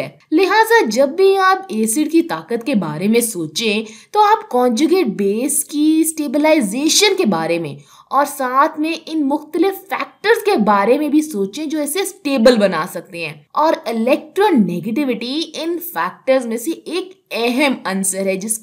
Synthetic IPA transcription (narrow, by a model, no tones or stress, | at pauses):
ɛː | lɪɦaːzad͡ʒɐbːiaːpeːsɪɖkit̪aːkət̪kebaːɾemẽsoːt͡ʃẽt̪oaːpkɔ̃ːnd͡ʒuɡeːʈ̚beːskisʈeːbɪlaːɪzeːʃənkebaːɾemḛ̃ | ɔːɾsaːt̪ʰmẽʔɪnmʊxt̪əlɪfːɛːk̚ʈəɾzkebaːɾemẽbʱisoːt͡ʃẽd͡ʒoːɛːsesʈeːbəlbɐnaːsɐk̚t̪eɦɛ̃ːɔːɾɪlɛːk̚ʈɾoːneːɡeʈ̬ɪʋɪʈiɪnfɛːk̚ʈəɾzmẽseʔeːkɛɦɛmɐnsəɾɦɛd͡ʒɪs